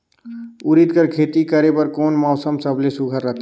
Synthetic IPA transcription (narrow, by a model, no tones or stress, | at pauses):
ʊɾid̪kəɾkʰeːt̪ikəɾepəɾkoːnmɔːsəmsəblesʊɡʱəɾːət̪ʰ